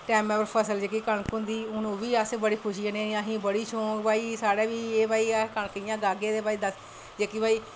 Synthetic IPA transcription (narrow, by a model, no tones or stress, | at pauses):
ʈɛːmɛːpəɾpʰəsəld͡ʒeːkikəɳkʊnd̪iːʊnũːʋiːəsebəɽiːkʰʊʃiːənẽːãːɦĩːbəɽiːt͡ʃʰõːbaːiːsaːɽeːʋiːeːbaːiːaːkəɳkəɪjãːɡaːɡẽːd̪eːbaːiːd̪əs | d͡ʒeːkiːbaːiː